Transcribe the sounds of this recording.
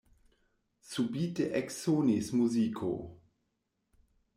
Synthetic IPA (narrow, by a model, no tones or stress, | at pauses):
subiːtəʔɛksoːnismuzikʰo̰